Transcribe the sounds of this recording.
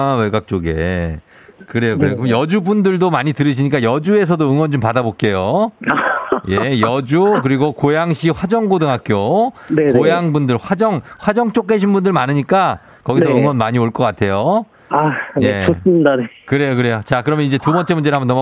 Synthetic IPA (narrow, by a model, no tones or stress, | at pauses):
weɡak̚t͡ɕ͈oɡe̞̰ | kɯɾe̞jokɯɾeokjʌd͡ʑubundɯɭdomaɲitɯɾɯɕ̬ʰiɲik͈ajʌd͡ʑue̞s̬ʰʌdoɯŋwʌnd͡ʑompadabok͈e̞jo | je̞jʌd͡ʑuk̬ɯɾiɡokojaŋɕʰiɸwad͡ʑʌŋɡodɯŋɦak͈̚jonekojaŋbundɯɭɸwad͡ʑʌŋɸwad͡ʑʌŋt͡ɕ͈ok̚keɕʰinbundɯɭmanɯɲik͈a | kʌɡissʌɯŋwʌnmaɲioɭk͈ʌk͈atʰe̞jo | ajeosɯmidanekɯɾe̞jokɯɾe̞jot͡ɕakɯɾʌmjʌnid͡ʑe̞tubʌnt͡ɕ͈ʰe̞mund͡ʑeɯɦambʌnːʌm